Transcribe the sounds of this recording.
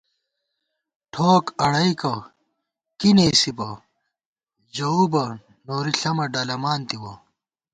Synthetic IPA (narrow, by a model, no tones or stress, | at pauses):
ʈʰoːkɐɽɐikɐ | kineːsibɐ | d͡ʑɐubɐ | noːɾiɬɐmɐɖɐːlɐmaːnt̪iwɐ